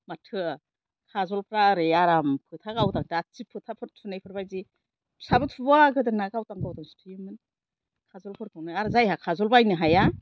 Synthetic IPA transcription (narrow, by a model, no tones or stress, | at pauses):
matʰɯ | kʰazɔlpʰɾaɾejaɾampʰɯtʰaɡawdaŋdat͡ʃipʰɯtʰapʰɯɾtʰunajpʰɯɾbajzi | sabɯtʰubɔaɡɯdɯnakawtaŋkawtaŋstʰɯjɯmɯn | kʰazɔlpʰɯɾkʰɯwnajaɾzajhakʰazɔlbajnɯɦaja